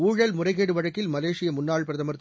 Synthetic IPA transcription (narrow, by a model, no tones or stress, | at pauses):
uːɻɐlmʊrɐɪɣeːɽɯʋɐɻɐkːɪlmɐleːʂɪjɐmʊnːaːɭpɪɾɐðɐmɐɾt̪ː